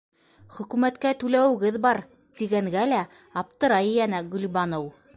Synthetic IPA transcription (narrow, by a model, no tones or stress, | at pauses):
χɵ̆kʉmæt̪kæt̪ʉlæwɘ̆ɡɘðbɑɾ | t̪iɡæŋɡælæ | ɑp̚t̪ɤ̆ɾɑjɘjænæɡɵ̆lbɑnow